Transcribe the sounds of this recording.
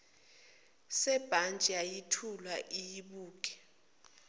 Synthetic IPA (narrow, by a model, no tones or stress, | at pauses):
sɛb̥ʱant͡ʃʼiajitʰulwaʔijiɓuːk̬ʼɛ̥